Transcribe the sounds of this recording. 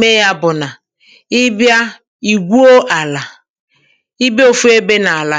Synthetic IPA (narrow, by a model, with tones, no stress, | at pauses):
me˦ja˦bʊ˨na˨ | ɪ˦bja˦ | i˨ɡʷu˦o˦ʔa˨la˨ | i˦be˦o˨fu˦e˦be˦na˨a˨la˨